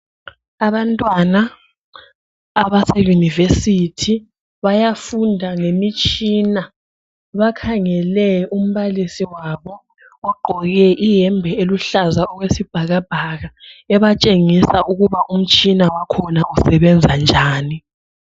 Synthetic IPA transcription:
aβantʼwana | βasɛjunivesitʰi | βajafundʱaŋemit͡ʃʼiːna | βakʰaŋɛlɛum̩βalisiwaβɔ | ɔɡ͡ǃʱɔɣɛʔijɛmbʱɛeluɬazaɔɣwesib̥ʱaɣab̥ʱaɣaɛβat͡ʃʼeŋisauɣuβaʔum̩t͡ʃʼinawakʰɔnausɛβɛnd͡zʱand͡ʒʱaːni

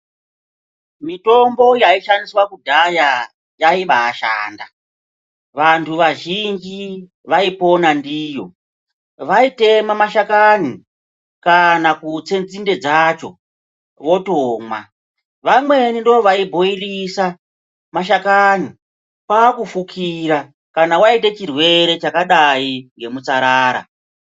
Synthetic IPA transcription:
mito̞mbo̞jaiʃandiswakudʱaja | jaiɓaːʃa̰ːnda | ʋantʰuʋaʒind͡ʒi | ʋaipo̞nandiːjo̞ | ʋaite̞mamaʃakani | kanakut͡se̞nd͡zinde̞d͡zat͡ʃo̞ | ʋo̞toːmwa̰ | ʋamwe̞nindooʋaibʱo̞irisa | maʃakani | paːkufukʰiɾa | kanawaitet͡ʃirwe̞ɾe̞t͡ʃakaɗaid͡ʒe̞mut͡saɾaːɾa̰

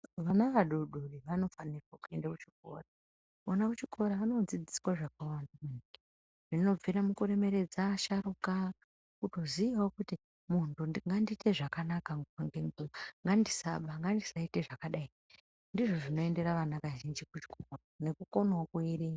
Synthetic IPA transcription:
ʋanaʋaɗoɗoriʋano̞fanirwakue̞ndakut͡ʃiko̰ra | onakut͡ʃikʰo̞ɾaano̞d͡zid͡zi̥swaʐak̚awandamenik | ʐ̥ino̞b͡viɾamukuɾe̞me̞ɾed͡zaːʃaɾuka | kuto̞ziiwokuti | muntuŋɡandite̞ʐakanakaŋɡoaŋɡeŋɡoʋaŋɡandisa̰ɓaŋɡandisaiteʐakaɗai | ndiʐo̞ʐino̞e̞nde̞ɾaʋanaʋaʒind͡ʒikut͡ʃi̥kʰorane̞kuko̞nwakuiɾi

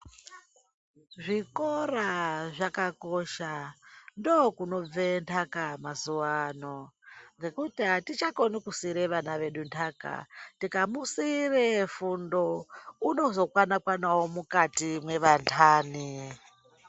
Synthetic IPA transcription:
ʐikoraʐakako̞ʃandokuno̞b͡ventʰakamasuwanoŋɡe̞kutatit͡ʃakonikusiɾeʋanaʋe̞ɗuntʰaka̰tikamusirefundo̞uno̞zo̞kwanakwanawomukatimwe̞ʋantʰaːni

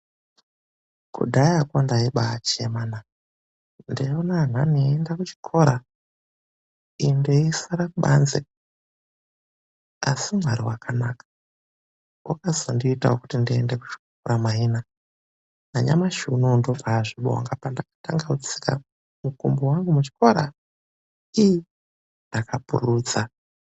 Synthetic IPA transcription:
kṵdʱajakondaiɓat͡ʃemaːna | ndionan̤aniendakut͡ʃi̥kʰoɾa | indeisaɾakuɓa̰nze | a̰simwaɾiwakanaːkḁ | wakazondiːta̰wokutindiendeku̥t͡ʃi̥kkoɾamaiːna | naɲa̰maʃunondovaʐiɓo̰ŋɡapandakḁtaŋɡaut͡si̥ka̰ | mukumbowaŋɡumut͡ʃi̥ko̞ɾa | iji | ndakapṵruːd͡za

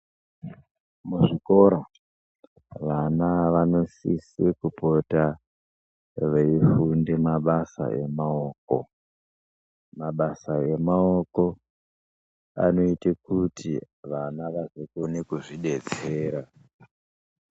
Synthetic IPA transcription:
muʐiko̞ɾa | ʋanaʋano̞sisikupota | ʋeifunde̞maɓasa̰ʔe̞̰maoːk̚o̞̰ | maɓasae̞maoko̞ | a̰no̞itekutʰi | ʋanaʋaʐekonekuʐiɗe̞t͡se̞ːɾa

